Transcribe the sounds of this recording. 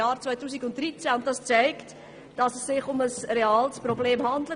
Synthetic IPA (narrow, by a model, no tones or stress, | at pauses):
ɑːɾt͡svœɪtuːsiɡʊnt̚d̥ɾit͡sæʊnt̚d̥ɑst͡sɛɪkt | d̥ɑsəsːɪχʊməsreɑːlsprɔbleːmhɑndlə